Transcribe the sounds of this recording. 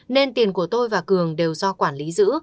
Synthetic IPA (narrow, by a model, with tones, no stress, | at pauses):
ne˧nt̪i˨˩ənku˧˩ət̪o˧jvaː˨˩kɨ˨˩əŋɗe˨˩wzɔ˧kwaː˧˩nli˨˦zɨ̰˧˥